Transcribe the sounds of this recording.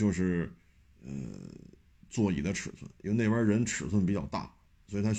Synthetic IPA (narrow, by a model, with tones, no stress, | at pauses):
jo˥˧ʊʂɻ̩˥˩ | ə̰˧˩ | t͡swɔ˥˩ḭ˨˩d̪ə˦ʈ͡ʂʰɻ̩˨˩swə̰˥˩ni˥˧˥ne˥˩ɪwə˞˥˧ɻə˧˥nʈ͡ʂʰɻ̩˨˩swə˥˩npi˨˩t͡ɕɑ˥˧ʊt̪a̰˥˩ | swɔ˧˥i˨˩t̪ʰa˥